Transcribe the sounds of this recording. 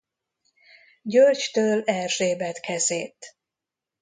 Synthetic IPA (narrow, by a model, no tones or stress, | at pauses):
ɟølt͡ʃt̪øːlɛrʒeːbɛt̪kʰɛzeːt̪